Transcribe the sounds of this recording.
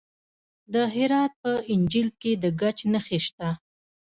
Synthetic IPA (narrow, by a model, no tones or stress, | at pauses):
d̪əɦɪɾɑt̪̚pəɪnd͡ʒilked̪əɡat͡ʃnəxeʃt̪a